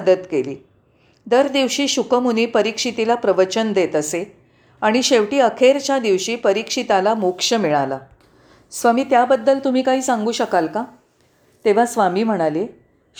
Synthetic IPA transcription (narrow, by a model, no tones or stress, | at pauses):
d̪ət̪kelḭː | d̪əɾd̪iʋɕiːɕukəmuniːpəɾikʂit̪ilapɾəʋət͡ɕənd̪et̪əse | aɽ̃iɕeʋʈiːəkʰeɾt͡ɕjad̪iʋɕiːpəɾikʂit̪alamukʂəmiɭala̰ | sʋamiːt̪jabəd̪ːəlt̪um̤iːkaɦiːsãŋɡuːɕəkalka | t̪eʋ̤asʋamiːm̤əɽ̃ale